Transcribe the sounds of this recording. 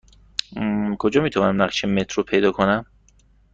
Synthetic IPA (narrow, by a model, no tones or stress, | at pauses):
kʰod͡ʒɒːmiːt̪ʰavɒːnæmnæχʃemet̪ʰɾopʰe̞jd̪ɒːkʰonæm